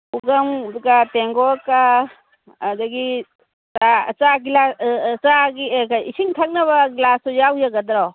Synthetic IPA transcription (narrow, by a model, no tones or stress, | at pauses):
uɡamkateŋɡɔkaː | daɡi | sat͡ʃaɡilasaɡikaisiŋtʰak̚naβɐɡlasɔjawjaɡɐdɾɔ